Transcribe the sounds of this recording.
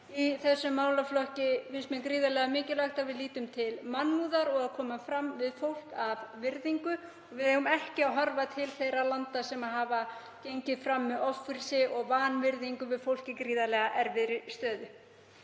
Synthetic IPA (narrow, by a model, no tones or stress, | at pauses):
iθɛsːʏmːaːwlaflɔhcɪfɪnsmɛnkɾiːðalɛɣamɪːcɪlaxt̪avɪðliːt̪ʏmt̪ʰɪlmanmuːðaɾɔɣaðkʰɔːmafɾamvɪðfowl̥kavvɪɾðiŋkʏ | ɔɣvɪðɛɣʏmɛhcɪaðɦɔɾvat̪ʰɪlθejɾalant̪asɛmaðɦaːva | cejɲcɪðfɾamːɛðɔfːʏɾsɪʔɔɣvaːnvɪɾðiŋkʏvɪðfowl̥cɪkɾiːðalɛɣaʔɛɾvɪɾɪst̪œːðʏ